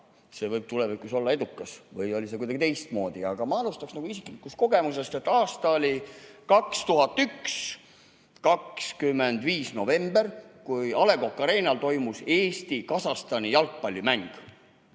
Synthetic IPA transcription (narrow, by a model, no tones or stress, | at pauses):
se̞ːvɤjb̥̚t̪ulevikːˑuso̞lːɑe̞d̪ukːˑɑsvɤjolʲise̞kujd̪ɑɡ̥it̪e̞jst̪̚mo̞ːd̪̥iɑɡ̥ɑmɑɑlust̪ɑksnɑɡ̥uisiklikːˑust̪̚ko̞ɡ̥e̞muse̞st̪e̞t̪ːˑɑːst̪ɑolʲikɑkst̪uɦɑt̪ːyks | kɑkskymːe̞nd̪viːsno̞ve̞mb̥e̞rkujɑle̞ɡo̞kːˑɑɾe̞ːnɑlt̪o̞jmuse̞ːst̪ikɑsɑst̪ɑnijɑlk̚pɑlʲːimæŋɡ̥